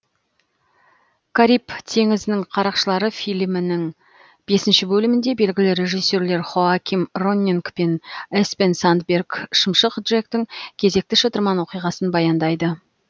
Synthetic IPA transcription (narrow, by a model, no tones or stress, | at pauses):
kʰaɾipt̪ʰe̞ŋɪzɪnɪŋqʰɑɾɑqʃəlˠɑɾəfijlmɪnɪŋ | b̥e̞sɪnʃɪbɵlɪmɪnd̪e̞be̞lɡʲɪlɪɾʲe̞ʒisːe̞ɾle̞ɾχoakʲimro̞nʲːiŋkpenespensant̪bʲerkʃəmʃəq̪ʒek̚t̪ɪŋkʲʰe̞ze̞k̚t̪ɪʃət̪əɾmɑnwo̞qijʁɑsənbɑjɑnd̪ɑjd̪ə